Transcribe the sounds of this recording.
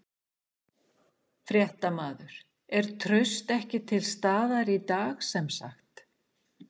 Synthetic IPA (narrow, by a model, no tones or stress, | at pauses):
fɾjɛht̪amaːðʏɾ̥ | ɛɾ̥t̪ʰɾœɥst̪ɛhcɪt̪ʰɪlst̪aːðaɾit̪aːxsɛmsa̰xt̪